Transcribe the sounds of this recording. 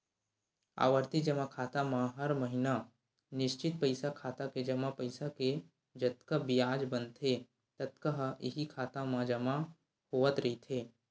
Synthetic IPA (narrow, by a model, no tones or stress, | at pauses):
a̰ːʋəɾt̪id͡ʒɐmakʰaːt̪amãɦɐɾməɦɪna | nɪʃt͡ʃɪt̪̚pɐɪsakʰaːt̪aked͡ʒɐmapɐɪsake | d͡ʒɐt̪kəbɪjaːd͡ʒbɐnt̪ʰɦe | t̪ɐt̪kəɦɪ̰ɦikʰaːt̪amãd͡ʒɐma | hoːət̪ɾɐit̪ʰeː